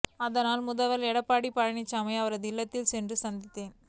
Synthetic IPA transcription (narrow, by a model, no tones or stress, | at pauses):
ɐðɐnaːlmʊðɐʋɐlɛɽɐpːaːɽipɐɻɐɳɪt͡ʃːaːmɐɪɐʋɐɾɐðɪlːɐt̪ːɪlsɛndrɯsɐnd̪ɪt̪ːeːn